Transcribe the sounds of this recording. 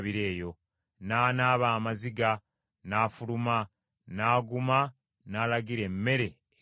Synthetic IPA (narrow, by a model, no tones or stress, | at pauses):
βiɾe̞ːjo̞ | naːnaːβaːmaziɡa | naːfuluma | naːɡuma | naːlaɡiɾe̞mːe̞ɾe̞